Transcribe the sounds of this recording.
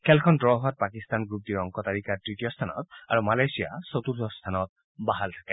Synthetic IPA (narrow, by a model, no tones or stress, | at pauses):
kʰɛlkʰɔndɹɔɦat̚pakistanɡɹup̚tiɹɔŋkɔtaɹikatɹitijɔst̪ʰanɔ̰ta̰ɹumalajsija̰sotuɹɔst̪ʰanɔt̚ | baɦaltʰakɛ